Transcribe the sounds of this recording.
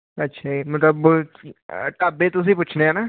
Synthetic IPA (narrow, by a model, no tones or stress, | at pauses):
ɐtːʃʰaimɐt̪ləb | ʈaːbet̪ʊs̬ĩp̬uːt͡ʃʰneɦɛnaː